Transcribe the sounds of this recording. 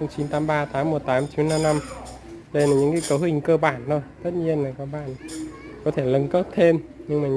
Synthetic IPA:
ŋ͡mt͡ɕi˨˦nt̪aː˨˦mɓaː˧t̪ʰaː˨˦mːo˨˩t̚t̪aː˨˦mt͡ɕi˨˦nːa˧mna˧m | ɗə˧jlaː˨˩ɲɨ̰˧˥ŋkaː˨˦jkə˨˦whï˨˩ŋ̟kəː˧ɓaː˧˩nːo˧jt̪ə˦˥t̚ɲi˧ənlaː˨˩kaː˨˧ɓa̰ː˧˨n | kɔ˨˦t̪ʰe˧˩lə˨˧˦ŋkə˦˥t̚t̪ʰe˧mɲɨ˧ŋmaː˨˩

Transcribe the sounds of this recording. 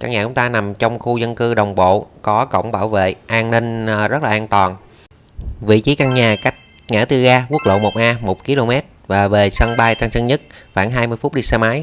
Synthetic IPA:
ka̰ː˧˩ŋɲaː˨˩ʊ˨˦ŋ͡mt̪aː˧na˨˩mt͡ɕɔ˧wŋ͡mxu˧zə˧nkɨ˧ɗə˨˩wŋ͡mɓo̰˧˨kɔ˨˦kə̰˧˨wŋ͡mɓaː˧˩wvḛ˧˨ʔaː˧nni˧ŋ̟˨˩zə˦˥t̚laː˨˩ʔaː˧nt̪waː˨˩n | vḭ˧˨t͡ɕi˨˦ka˧ŋɲaː˨˩ka˦˥jk̟̚ | ŋa̰ː˧˥t̪ɨ˧əɣaː˧ku˦˥ək̚lo̰˧˨mo˨˩t̚ʔaː˧mo˨˩k͡p̚ki˧˦lo˧mɛ˦˥t̚vaː˨˩ve˨˩sə˧ŋɓaː˧jt̪aː˧ŋsə˧ŋɲə˦˥t̚xwaː˧˩nɦaː˧jmɨ˧jfʊ˦˥k͡p̚ɗi˧sa˧maː˨˦j

